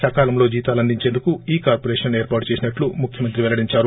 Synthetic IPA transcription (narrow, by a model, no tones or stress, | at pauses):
ʃɐkaːlɐmlo̞ːd͡ʒiːt̪aːlɐnd̪iɲt͡ʃe̞ːnd̪ukuiːkaːɾpoɾeːʂɐneːɾpaːʈu̥t͡ʃe̞ːsinɐʈlumukʰjɐmɐnt̪ɾiʋɛlɐɽiɲt͡ʃaːɾu